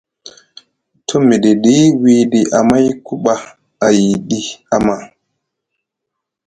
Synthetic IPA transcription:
tʰo˦mi˨ɗi˨ɗi˦wi˦ɗi˨ʔa˨ma˦jku˦ɓa˨ | a˨ji˨ɗi˦a˨ma˨

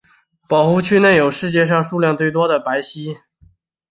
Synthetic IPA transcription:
pɑ˨˩ʊxu˥˧t͡ɕʰy˥˧ne˥˩jo˨˩ʊʂɻ̩˥˧t͡ɕjɛ˥˧ʂ̬ɑ˥˧ŋʂu˥˧ljɑ˥˧ŋt̪we˥˩ɪt̪̬wɔ˥d̪ə˨pa˧˥ɪɕi˥

